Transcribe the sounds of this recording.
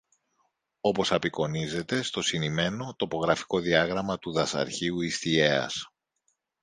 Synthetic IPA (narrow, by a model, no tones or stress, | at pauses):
o̞po̞sɐpiko̞nize̞t̪e̞st̪o̞sinime̞no̞t̪o̞po̞ɣɾɐfi̥ko̞ðiɐɣɾɐmɐt̪uðɐsɐ̰ɾçiuist̪ie̞ɐ̰s